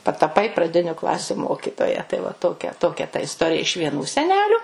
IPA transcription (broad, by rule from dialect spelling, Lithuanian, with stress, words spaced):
pɐtɐˈpɐɪ prɐˈdʲɪnʲʊ ˈklˠɑːsʲʊ ˈmoːkʲɪtoːjɛ tɐɪ ʋɐ ˈtoːkʲɛ ˈtoːkʲɛ tɐ ɪsˈtoːrʲɪjɛ ɪʃ ʋʲiɛˈnuː sʲɛˈnʲæːlʲʊ